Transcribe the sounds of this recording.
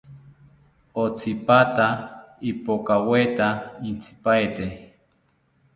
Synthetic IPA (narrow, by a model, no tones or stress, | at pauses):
ot͡sipat̪aipokawet̪aint͡sʰi̥paet̪e